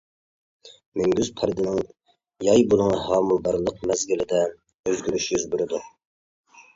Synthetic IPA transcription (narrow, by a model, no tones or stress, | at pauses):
mɪŋɡʲyzpʰɑɾd̪ɨnɨŋ | jɑjbolˠɨŋɑɦɑːmulˠbɑɾlˠəq̚mɛzɡʲilɪd̪ɪn | øzɡʲyɾyʃjyzbyɾɪd̪u